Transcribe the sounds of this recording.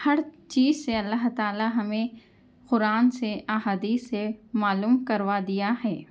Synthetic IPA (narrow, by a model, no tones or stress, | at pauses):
hɐɾt͡ʃiːzseɐlːaɦt̪aːlaɦɐmẽ | qʊɾaːnseʔaːɦaːd̪iːsːemaːluːmkɐɾʋad̪ijaɦɛː